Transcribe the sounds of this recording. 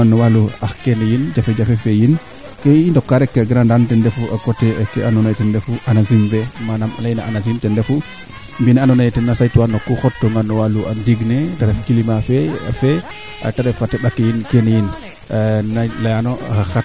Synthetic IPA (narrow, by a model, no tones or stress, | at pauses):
anːɔwaluahkenɛjind͡ʒafɛd͡ʒafɛfɛjin | kɛindɔkːaɾɛkːɛɡɾandantɛndɛfuʔakɔtɛkːɛanɔnajtɛndɛfuʔanazimbɛmanama̰lajnaʔanazimtɛndɛfu | mbinɛanɔnajtɛnːasajtuwanːɔkːuxɔtːɔŋɡanːɔwaluʔa̰ndiɡnɛtaɾɛfkilimafɛa̰fɛ | a̰taɾɛfatɛɗakːɛjinkenɛjin | nalajanɔaxa